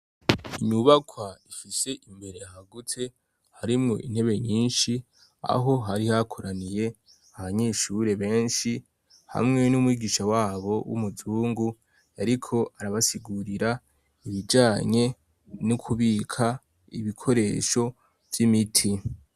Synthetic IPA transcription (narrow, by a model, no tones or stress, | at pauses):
iɲuβakʰwaifise̞ʔimbe̞ɾe̞ahaɡutʰe̞ | haɾimŋo̞ʔin̥he̞βe̞ɲiːnʃi | a̰ɦo̞ɦaɾihakʰo̞ɾanije̞ | aβaɲeːʃuɾe̞βe̞ːnʃi | ha̰mŋe̞numwiːɡiʃawaːβo̞wṵmuzuːŋɡu | aɾikʰo̞ʔaɾaβasiɡuɾiɾa | iβid͡ʒaːɲe̞ | nukʰuβiːkʰa | iβikʰo̞ɾe̞ːʃo̞ | v̥jimitʰi